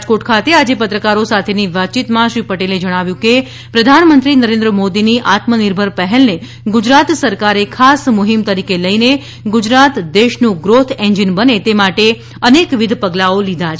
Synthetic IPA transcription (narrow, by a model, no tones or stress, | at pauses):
d͡ʒkoʈkʰat̪ead͡ʒepət̪ɾəkaɾosat̪ʰeniʋat̪̚ːt͡ʃit̪mãʃɾipəʈeled͡ʒəɽ̃aʋjũke | pɾəd̪ʱanmənt̪ɾinəɾẽnd̪ɾəmod̪iniʔat̪məniɾbʱəɾpəɦɛlne | ɡʊd͡ʒɾat̪səɾkaɾekʰasmʊɦimt̪əɾikeləine | ɡʊd͡ʒɾat̪d̪eʃnũɡɾot̪ʰẽɲd͡ʒinbənet̪emaʈe | ənekʋɪd̪ʱpəɡlaolid̪ʱat͡ʃʰ